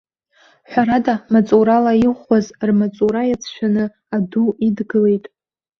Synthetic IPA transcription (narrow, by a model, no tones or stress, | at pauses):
ħʷᶣaɾadamat͡sʼuɾalaiʁχʷazrmat͡sʼuɾajat͡sʰʃᶣanɨ | aduidɡɨle̞jtʼ